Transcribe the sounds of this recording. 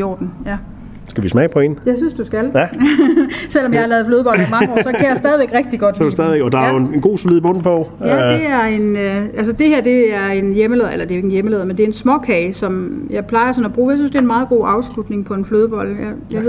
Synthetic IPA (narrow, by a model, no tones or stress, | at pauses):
jo̰ːd̥n̩jæ | sɡ̥æʋismɛːpʰɒ̽e̝njɑ̈ɪsynsd̥usɡ̥æl | sel̰ɒ̽mjɑ̈hɑ̈lɛːðˠfløːðˠb̥ɒ̽lɒmɑ̈ŋəɒ̰sɒ̽kʰæjäsd̥ɛːð̞ˠiʋeɡ̥ʁɛɡ̥̚d̥iɡ̥ɒ̽d̥usd̥ɛðˠʋeɡ̥ɒd̥ɑ̈jonenɡ̥o̝̰ːsoliðˠb̥ɔ̽n̰̩pʰɒ | jæd̥̝æɐe̝nøæls̬əd̥e̝hæɐ̰d̥e̝æɐe̝njeməleðˠelɐd̥e̝oe̝ɡnjeməleːð̞ˠmend̥e̝ɐe̝nsmɒ̽kʰɛɪsɒ̽mjɑ̈ɪpʰlɑ̈ɪɐsɒ̽næb̥ʁuːjɑɪsynsd̥e̝ɐenmɑ̈ːð̞̩ˠɡ̥o̝̰ːʔɑ̈ʊslud̥ne̝ŋpʰɒ̽e̝nfløːðˠb̥ɒ̽l̰jɑjɑ̈e